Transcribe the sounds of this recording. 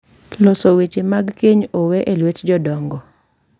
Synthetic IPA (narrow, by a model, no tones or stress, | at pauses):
losɔwet͡ʃemaɡkeɲowɛʔelwetd͡ʒɔdɔŋɡɔ